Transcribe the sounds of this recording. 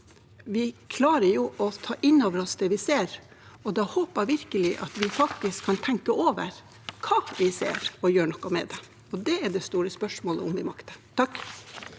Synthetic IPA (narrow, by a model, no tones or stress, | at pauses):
ʋɪkʰlɑːɾəjuːʔɔt̪ʰɑːʔɪnːoːʋəɾɔsd̪ɛʋɪseːɾ | ɔd̪ɑhoːpəɾʋɪɾkəlɪʔɑ̰t̪ʋɪfɑk̚t̪ɪskʰɑnt̪ʰɛŋkəoːʋə̰ɾ | kʰɑːʋɪsḛːɾɔjøːɳɔkːɑmɛ̰d̪ɛ | ɔd̪ɛæɖɛst̪uːɾəspœʂmoːləʊmʋɪmɑkt̪ə̥t̪ʰɑkː